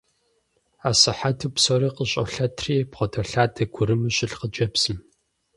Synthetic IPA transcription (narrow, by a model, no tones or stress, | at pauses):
aːsɨħatʰɨpsoɾiːqəɕʼɐ̰ɬɐtʰriːpχʷɔtʰɐɬaːdʰɐɡʷʊɾɨmɨɕʼɪɬqəd͡ʒɐpsɨm